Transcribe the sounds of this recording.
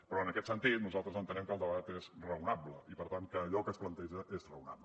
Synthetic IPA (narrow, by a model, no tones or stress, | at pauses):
pɾɔənəkɛt̪sənt̪it̪nuzalˠt̪ɾəzənt̪ənɛmkəlˠd̪əβat̪ezrəunabləipəɾt̪aŋkəːʎɔkəːsplənt̪ɛʒəʔezrəuna̰blə